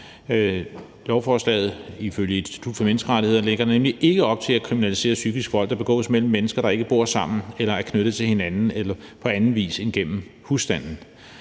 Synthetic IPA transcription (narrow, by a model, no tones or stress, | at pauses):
lɒʊfɒːslɛ̰ːð̩ˠiføljəed̥nsd̥i̥t͡sʰud̥fɒ̽menəsɡ̥əʁɑ̈ɾie̝ð̰ˠn̩leɡ̥ɐdenemliʔe̝ɡ̥əɒ̽b̥̚t͡sʰe̝lækʰʁiminælise̝̰ːɐsyɡ̥isɡ̥fɒ̽l̰ɡ̥d̥ɑb̥e̝ɡ̥ɔ̰ːsmel̰m̩ːenəsɡ̥ɐɾ̥ɑ̈e̝ɡ̥əb̥o̝ɐ̰sɑ̈m̰n̩elɐæɐkʰnøɾ̥ð̩ˠt͡sʰelhe̝nænn̩elɐpʰɒ̽ænn̩ʋḭːse̝nɡ̥en̰m̩husd̥æn̰n̩